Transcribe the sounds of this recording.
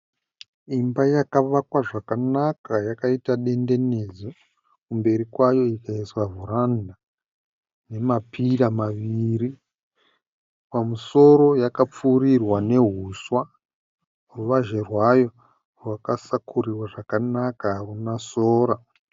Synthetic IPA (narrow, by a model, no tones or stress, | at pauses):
imbajakaʋakwaʐakanakajakaitaɗe̞nde̞nezo | kumbe̞ɾikwajo̞ikaiswaɦuɾanda | ne̞mapʰiɾamaʋiri | pamuso̞ɾo̞jakap͡fuːrirwane̞ɦuswa | ruʋaʒerwajo̞ | rwakasakʰuriwaʐakanakarunasoːɾa